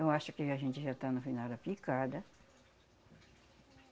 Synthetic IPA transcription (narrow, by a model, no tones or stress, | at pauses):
t̪ɐ̃w̃aʃʊkɪaʒẽnt͡ʃ̪ɪʒat̪anʊfinawd̪ɐpikad̪ɐ